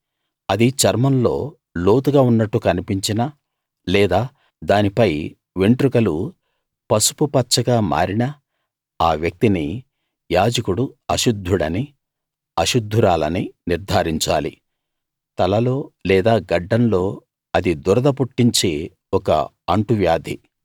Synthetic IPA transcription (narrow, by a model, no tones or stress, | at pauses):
ɐd̪it͡ʃɐɾmɐnlo̞ː | lo̞ːt̪uɡaːunːɐʈːukɐnipiɲt͡ʃinɐ | lɛːd̪aː | d̪aːnipɐj | ʋeɳʈɾukɐlu | pɐsu̥pupɐtːt͡ʃɐɡaːma̰ːɾinɐ | aːʋjɐk̚t̪ini | jaːd͡ʒɐkuɽuɐʃud̪ʱːuɽɐni | ɐʃud̪ʱːuɾaːlɐniniɾd̪ʱaːɾiɲt͡ʃa̰ːlḭ | t̪ɐlɐlo̞ːlɛːd̪aːɡɐɖːɐnlo̞ː | ɐd̪id̪uɾɐd̪ɐp̬uʈːiɲt͡ʃe̞ː | ɔkɐ̰ | ɐɳʈuʋjaːd̪ʱḭ